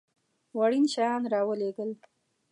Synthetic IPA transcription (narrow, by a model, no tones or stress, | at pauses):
waɽinʃɑjɑnɾɑwəleɡəl